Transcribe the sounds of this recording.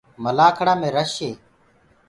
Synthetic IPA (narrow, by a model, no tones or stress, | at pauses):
məlaːkʰəɽaːmẽːɾəʃeː